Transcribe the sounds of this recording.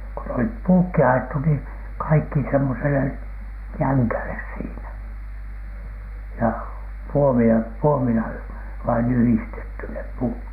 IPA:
ku n olip puːkːi ɑjetːu niː kɑikːi semːosele jæŋkæles siːnæ jɑ puomien puomilɑ ʋɑin yhistetːy nep puːt

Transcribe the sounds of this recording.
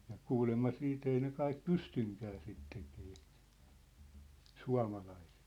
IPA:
jɑ kuːlemːɑ siːt ei ne kɑik pystyŋkæː sit tekeː suɑ̝mɑlɑise̥t

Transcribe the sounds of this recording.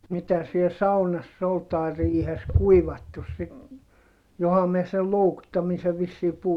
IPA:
mitæ siel sɑunɑsː ol tɑi̯ riːhes kuiʋɑtːus sit johɑ miɛ sel loukutːɑmise ʋisːiː puhu

